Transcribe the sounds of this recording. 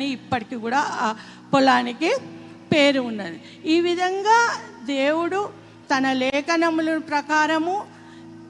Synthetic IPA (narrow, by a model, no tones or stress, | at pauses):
ɐniːpːɐʈikikuːɽaː | pɔlaːniki | pe̞ːɾuunːɐd̪i | iːʋid̪ʱɐŋɡaːd̪eːwuɽu | t̪ɐnɐlɛːkɐnɐmulunpɾɐkaːɾɐmu